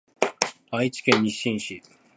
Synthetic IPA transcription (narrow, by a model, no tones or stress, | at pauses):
ait͡ɕi̥kẽɲːiɕĩɰ̃ɕi